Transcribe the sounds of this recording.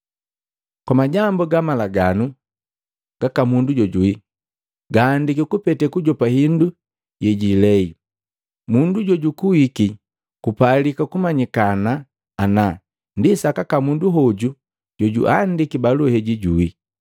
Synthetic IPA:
kwamaɟambuɡamalaɡanu | ɡ̥akamunduɟɔɟui | ɡaːndikikupɛtɛkuɟɔpahindu | jɛɟilɛi | munduɟɔɟukuwiki | kupalikakumaɲikana | ana | ndisakakamunduɦɔɟu | ɟ̥ɔɟṵʔandikibaluhɛɟiɟui

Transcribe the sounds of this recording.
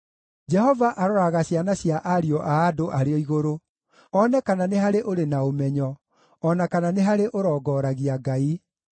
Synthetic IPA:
d͡ʒɛɦɔvaʔaɾɔɾaɣaɕjanaɕjaʔaɾiɔʔaːdoʔaɾeɔiɣoɾo | ɔnɛkananeɦaɾeʔoɾenaomɛɲɔː | nakananeɦaɾeʔoɾɔːɡɔːɾaɣiaɡai

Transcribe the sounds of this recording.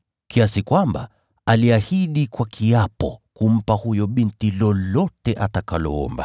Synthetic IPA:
kiasikwamba̰ | aliahiɗikwakʰiapɔkum̩pahujɔɓintilɔlɔtɛʔatakalɔ̰ɔ̰mba

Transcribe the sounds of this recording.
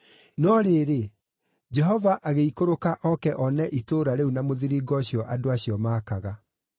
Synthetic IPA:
nɔɾeɾe | d͡ʒɛɦɔvaʔaɣeikoɾokaʔɔkɛʔɔnɛʔitoːɾaɾeunamoðiɾiɡɔɕjɔʔadoaɕiɔmaːkaɣa

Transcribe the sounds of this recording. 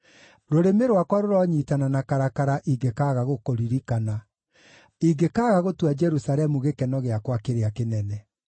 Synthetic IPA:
ɾoɾemeɾwakwaɾoɾɔɲiːtananakaɾakaɾaʔiɡekaɣaɣokoɾiɾikana | iɡekaɣaɣotwad͡ʒɛɾusaɾɛmuɣekɛnɔɣeakwakeɾeakenɛnɛ

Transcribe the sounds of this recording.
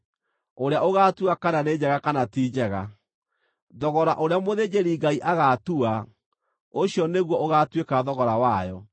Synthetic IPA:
oɾeaʔoɣatuakananed͡ʑɛɣakanatid͡ʑɛɣa | ðɔɣɔɾaʔoɾeamoðed͡ʑeɾiːɡaiʔaɣatua | oɕjɔneɣwɔʔoɣatwekaðɔɣɔɾawajɔ

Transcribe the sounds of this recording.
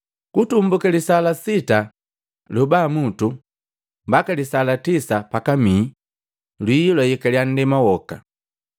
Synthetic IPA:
kutumbukalisalasita | lubamutu | mbakalisalatisapakami | lwiːlɔjikalian̩dɛmawɔka̰

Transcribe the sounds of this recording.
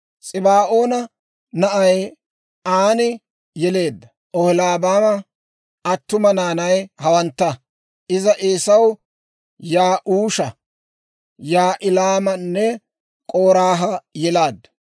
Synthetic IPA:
t͡sʼɪbaːʔo̞ːnɐ | nɐʔɐj | aːnɪ | jɛle̞ːd̪ːɐ | ʔɔhɪlaːbaːmɐ | ɐt̪ːʊmɐnaːnɐjhɐwɐnt̪ːɐ | ʔɪzɐʔeːsɐw | jaːʔuːʃɐ | jaːʔɪlaːmɐnːɛ | kʼoːɾaːɦɐjɛlaːd̪ːɐ̥

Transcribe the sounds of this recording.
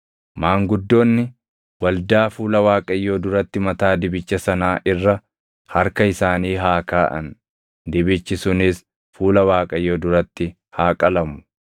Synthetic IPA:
maːŋɡʊd̪ːo̞ːnːɪ | wɐld̪aːfuːlɐwaːkʼɐjːoːd̪ʊɾɐt̪ːɪmɐt̪aːd̪ɪbɪt͡ʃːɐsɐnaːʔɪrːɐ | hɐɾkɐɪsaːniːɦaːkaːʔɐ̰n | d̪ɪbɪt͡ʃːɪsʊnɪs | fuːlɐwaːkʼɐjːoːd̪ʊɾɐt̪ːɪ | haːkʼɐlɐmʊ̥

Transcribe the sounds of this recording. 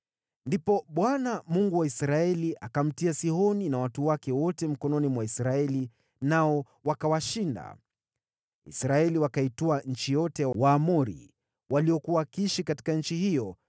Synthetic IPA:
ndipɔɓwanamuŋɡuwaisɾaɛliʔakam̩tiasihɔninawatuwakɛwɔtɛm̩kɔnɔnimwaisɾaɛli | naɔ | wakawaʃinda̰ | ḭsɾaɛliwakaituaɲ̩t͡ʃijɔtɛwaːmuɾḭ | waliɔkuwakiʃikati̥kaɲ̩t͡ʃiɦijɔ

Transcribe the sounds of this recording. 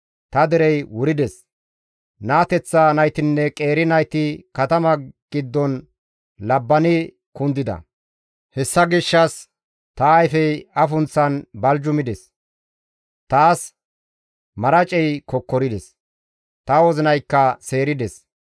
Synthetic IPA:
t̪ɐd̪ɛɾɛjwʊɾɪd̪ɛs | naːt̪ɛt͡sːaːnɐjt̪ɪnːɛkʼe̞ːɾɪnɐjt̪ɪkɐt̪ɐmɐɡ̥ɪd̪ːɔn | lɐbːɐnɪ | kʊnd̪ɪd̪ɐ̰ | hɛsːɐɡɪʃːɐs | t̪ɐːjfɛjɐfʊnt͡sːɐnbɐld͡ʒʊmɪd̪ɛs | t̪aːs | mɐɾɐt͡ʃʼɛjkɔkːɔɾɪd̪ɛs | t̪ɐwɔzɪnɐjkːɐse̞ːɾɪd̪ɛs

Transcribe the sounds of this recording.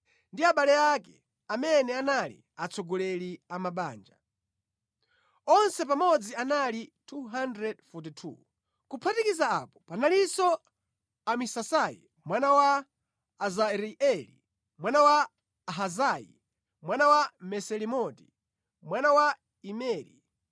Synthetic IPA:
ndiaɓalɛakɛ | amɛnɛanalḭ | at͡sʰɔɡɔlɛliamaɓaːnd͡ʒa | ɔnsɛpamɔd͡zianalitʰuɦandɾɛdfut̬itʰṵ | kupʰatikizaa̰pɔ̥panalisɔ | amisasajḭ | mwanawaː | zaɾiɛlḭ | mwanawa | aɦazajḭ | mwanawamɛsɛlimɔti̥ | mwanawa | imɛːɾḭ

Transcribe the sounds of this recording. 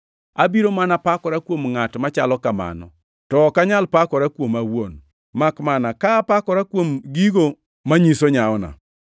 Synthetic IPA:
abiɾomanapakɔɾakwomŋatmat͡ʃalɔkama̰nɔ̰ | tɔkaɲalpakɔɾakwomawon | makmanakaːpakɔɾakwomɡiɡo | maɲisoɲaɔna̰

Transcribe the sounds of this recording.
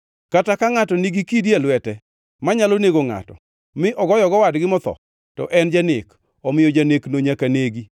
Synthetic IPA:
katakaŋatɔniɡikidjalwɛtɛ | maɲaloneɡoŋa̰tɔ̰ | mɪʔɔɡɔjɔɡɔwadɡɪmɔt̪ɔ̰ | tɔ̰ʔɛnd͡ʒanɪ̰k | ɔmɪjɔd͡ʒaneknoɲakaneɡi

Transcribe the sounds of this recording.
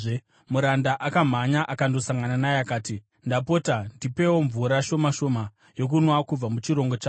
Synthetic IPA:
muɾandaʔakam̤aɲaʔakando̞saŋɡananaeakaːti | ndap̬o̞tandipe̞wo̞ɱvuɾaʃo̞maʃo̞ma | jok̬unwakub͡vamut͡ʃiɾo̞ŋɡo̞t͡ʃaː

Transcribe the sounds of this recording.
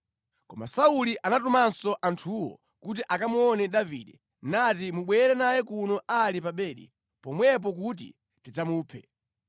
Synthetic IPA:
kɔma̰sauliʔanatumansɔʔantʰuwɔ̰ | kut̬iʔakamuɔnɛɗavḭɗɛ | natimuɓwɛɾɛnajɛkunɔʔalipaɓɛːɗḭ | pɔmwɛp̬ɔk̬ut̬ḭ | tid͡zamuːpʰɛ̰

